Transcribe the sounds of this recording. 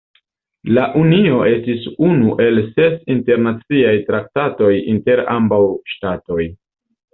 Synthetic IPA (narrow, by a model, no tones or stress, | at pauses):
laʔunio̞e̞stisunuʔe̞lse̞sinte̞ɾnat͡siajtɾak̚tato̞jḭnte̞ɾa̰mbawʃtato̞j